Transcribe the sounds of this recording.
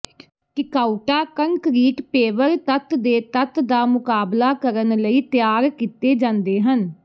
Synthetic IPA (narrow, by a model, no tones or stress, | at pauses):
kɪkaːuʈaːkəŋkɾiːkpeːʋəɾt̪ət̪d̪eːt̪ət̪d̪aːmʊkaːblaːkəɾənləiːt̪jaːɾkit̪eːd͡ʒãːnd̪eːɦən